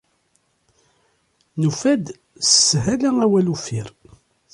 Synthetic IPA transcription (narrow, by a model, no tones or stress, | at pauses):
nufæd̪ | sə̥sːɦælæŋæwælufiɾ